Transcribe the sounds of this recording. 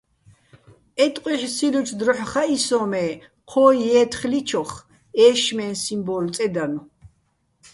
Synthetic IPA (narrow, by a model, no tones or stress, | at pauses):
ɛt̪ʼqʼwiħsilut͡ʃʰd̪ɾɔħχaisɔmɛː | qʰɔːjɛːt̪ʰχlit͡ʃʰɔχ | ɛːʃmɛːnsimbɔlt͡s̪ʼɛd̪anu